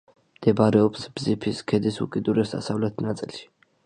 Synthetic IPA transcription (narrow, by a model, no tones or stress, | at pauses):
md̪̥ɛbaɾɛɔpsbzipʰiskʰɛd̪isṵkʼid̪uɾɛsa̰savlɛt̪ʰnat̪sʼilʃi̥